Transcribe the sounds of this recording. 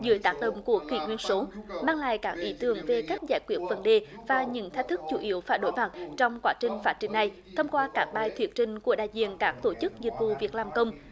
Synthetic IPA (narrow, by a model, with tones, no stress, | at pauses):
zɨ̰˧˦əjt̪aː˦˥k̚ɗə̰˧˨wŋ͡mku˧˩əki˧˩˦ŋwi˧ənso˨˦maː˧ŋla̰ː˧˨jkaː˦˥k̚ʔi˨˦t̪ɨ˨˩əŋve˨˩kaː˦˥k̚zaː˧˩jkwi˦˥ət̚və˨˦nɗe˨˩vaː˨˩ɲɨ̰˧˥ŋt̪ʰt̚t̪ʰɨ˦˥k̚t͡ɕu˧˩ʔi˨˦əwfaː˧˩jɗo˨˦jma˨˩t̚t͡ɕɔ˧wŋ͡mkwaː˨˦˥t͡ɕï˨˩ŋ̟faː˦˥t̚t͡ɕï˨˩ŋ̟na˨˩j | t̪ʰə˧wŋ͡mkwaː˧kaː˦˥k̚ɓaː˧jt̪ʰwi˨˦ət̚t͡ɕï˨˩ŋ̟ku˧˩əɗaː˧˨jzḭ˧˨ənkaː˦˥k̚t̪o˧˩t͡ɕɨ˦˥k̚zi˨˩t̚vṵ˧˨vi˨˩ək̚laː˨˩mkə˧wŋ͡m